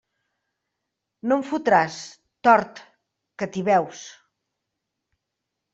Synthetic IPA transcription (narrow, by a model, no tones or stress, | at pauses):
noɱfut̪ɾas | t̪ɔɾt̪ | kət̪iβɛws